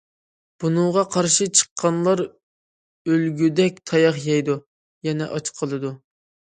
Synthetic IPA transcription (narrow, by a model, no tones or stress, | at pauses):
b̥unɨŋʁɑqʰɑɾʃɨt͡ʃʰə̥qʰːɑnlˠɑɾ | ølɡʲyd̪ɛk̚ʲt̪ʰɑjɑχjɛjd̪u | jɛnɛ̰ʔɑt͡ʃqʰəlˠɨd̪u